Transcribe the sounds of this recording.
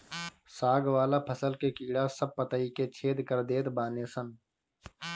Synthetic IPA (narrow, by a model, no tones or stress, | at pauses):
saːɡwaːlapʰɐsəlkekiːɽaːsɐb̚pɐt̪aiket͡ʃʰeːd̪kɐɾd̪eːt̪baːneːsɐn